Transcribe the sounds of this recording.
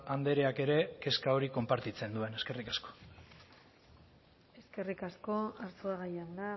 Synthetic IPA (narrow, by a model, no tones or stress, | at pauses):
and̪e̞ɾe̞ake̞ɾe̞ke̞skao̞ɾiko̞mpaɾt̪it͡se̞nd̪ue̞ne̞ske̞rikasko̞̥ | e̞ske̞rikasko̞aɾsoaɣajand̪a